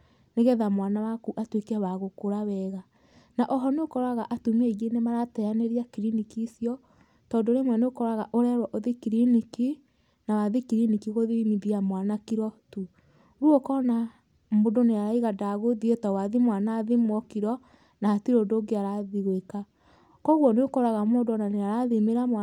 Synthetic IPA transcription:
neɣɛðamwanawakuʔatwekɛwaɣokoɾawɛɣa | naʔɔɦɔneokɔɾaɣaʔatumeɣenemaɾatɛanɛɾiakiɾinikisjɔ | tɔdoɾemwɛneokɔɾaɣaʔoɾɛɾwɔʔoðekiɾiniki | nawaðekiɾinikiɣoðimiðiamwanakiɾɔtu | ɾuɔkɔna | modoneaɾaiɣadaɣoðiotawaðimwanaːðimwɔkiɾɔ | naːtiɾodoːɡeaɾaðiɣweka | kɔɣwɔneokɔɾaɣamodɔnaneaɾaðimeɾama

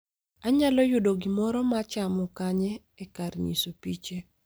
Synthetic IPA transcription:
aɲalɔjʊdoɡɪmɔɾɔmat͡ʃamɔkaɲɛːkaɾɲḭsopit͡ʃe

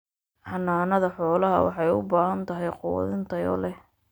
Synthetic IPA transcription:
ħɑnːaːnɐðɐħɔːlɐɦɐ̰wɑ̰ħɑjʊ̰baːɦɐnt̪ʰɐɦɛjqʊw̰ðɪnt̪ʰɐjɔ̰ːlɛ

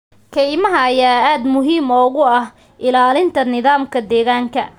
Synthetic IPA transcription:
kʰɛjmɐɦɐːjaːaːd̪mʊɦiːmɔːɣʊɐh | ʔɪlaːlɪnt̪ʰɐnɪðaːmkʰɐd̪ɛːɣaːŋkʰɐ

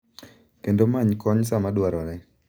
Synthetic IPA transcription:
kendomaɲkɔɲsamadwaɾɔnɛ

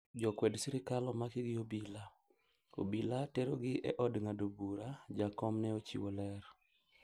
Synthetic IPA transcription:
d͡ʒɔkwɛdsiɾɪkalɔmakɪɡɪobila | o̰bilateɾoɡɪʔɛ̰ʔɔdŋadobuɾad͡ʒakɔmnɛot͡ʃḭwolɛɾ

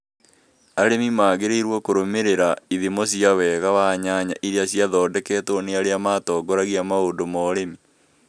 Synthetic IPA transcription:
aɾemimaːɣeɾeiɾwɔkoɾomeɾeɾaiðemos̬iawɛɣawaɲaɲaʔiɾeaɕiaðɔːdɛkɛːtɔneaɾeamatɔːɡɔɾaɣiamaondomɔɾemi

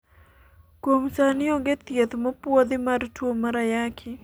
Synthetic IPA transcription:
kwomsanɪɔɡet̪jet̪mɔpwod̪ɪmartwomaɾajakʰɪ

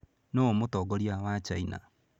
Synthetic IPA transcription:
noomotɔɡɔɾiawat͡ʃaina̰

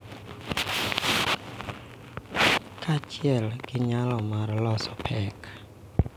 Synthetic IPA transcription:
kʰat͡ʃɪɛlɡ̥ɪɲalɔmaɾlɔsɔ̥pʰɛk

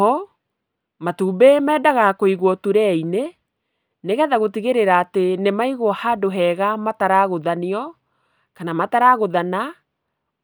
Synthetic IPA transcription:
ɔ | matuːbemɛːdaɣakoiɣwɔtuɾɛine | neɣɛðaɣotiɣeɾeɾaːtenemaiɣwɔhadoɦɛɣamataɾaɣoðaniɔ | kanamataɾaɣoðana

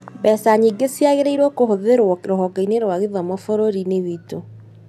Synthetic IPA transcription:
bɛsaɲiɡesiaɣeɾeiɾwɔkoɦoðeɾɾoɦɔkaineɾwaɣeðɔmɔfoɾoɾineðito

